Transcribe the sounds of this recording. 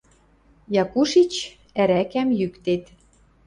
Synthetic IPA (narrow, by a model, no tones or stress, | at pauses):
jɑkuʃit͡ɕ | æɾækæmjykt̪et̪